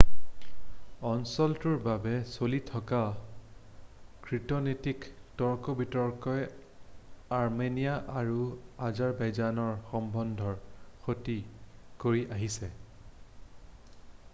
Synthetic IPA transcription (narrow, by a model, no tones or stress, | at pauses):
ɔnsɔltuɹbabɛsolitʰɔka | kɹitɔnetiktɔɹkɔbitɔɹkɔj | aɹmenijaʔaɹuazaɹbajzanɔɹxɔmbɔndʱɔɹxotikoɹiʔaɦisɛ